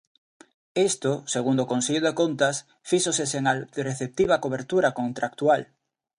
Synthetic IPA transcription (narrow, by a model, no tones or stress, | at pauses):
est̪oseɣund̪okonseʎoðekont̪as | fiʃoseseŋalreθep̚t̪iβ̞akoβ̞eɾt̪uɾakont̪ɾak̚t̪ual